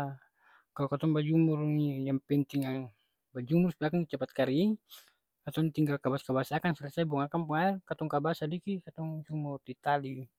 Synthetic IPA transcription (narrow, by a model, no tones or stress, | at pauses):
kalokat̪ɔŋbad͡ʒumurnijaŋpɛnt̪iŋaŋ | bad͡ʒumursbiakaŋit͡ʃapat̪̚kaɾi | kat̪ɔnt̪iŋɡalkabaskabasakansaɾasabuaŋakampəŋaɛrkat̪ɔŋkabasadikikat̪ɔŋd͡ʒumurt̪it̪ali